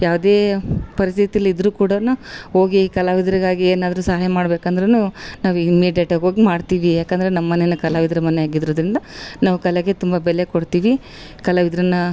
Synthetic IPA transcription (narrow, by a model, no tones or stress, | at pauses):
jaːʋud̪e̞ːpɐɾist̪ʰit̪ijɐlːiid̪ɾuːkuːɽɐnuɦo̞ːɡikɐlaːʋid̪ɾiɡaːɡieːnaːd̪ɐɾusɐɦaːjɐmaːɽbeːkɐnd̪ɐɾenuːnaːʋuiimːiːɖjeʈaːɡo̞ːɡimaːɖt̪iːʋijaːkɐnd̪ɐɾenɐmːɐnenːɐkɐlaːʋid̪ɾɐmɐnɛjaːɡid̪ɐɾoːd̪ɾind̪ɐnaːʋukɐleɡe̞t̪umbɐbɛlːekoɽt̪iːʋi | kɐlaʋid̪ɾɐnːɐ